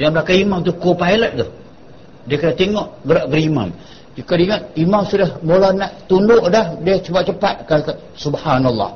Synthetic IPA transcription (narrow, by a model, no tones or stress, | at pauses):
jamblakaimamt̪ukopajlət̪̚t̪ʊh | diəkənaʔt̪eŋɔʔɡəɾaʔɡəɾima̰m | d͡ʒikadiŋət̪̚imamsudahbolahnaʔt̪undʊʔdahdiət͡ʃəpat̪̚t͡ʃəpat̪̚kak | subhanalːɑ̰h